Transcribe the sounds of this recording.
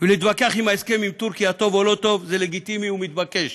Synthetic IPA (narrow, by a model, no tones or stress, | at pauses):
veleit̪bakeaχimaeskemimt̪uʁkiat̪o̞volo̞t̪o̞vzeleɡit̪imiumit̪bake̞ʃ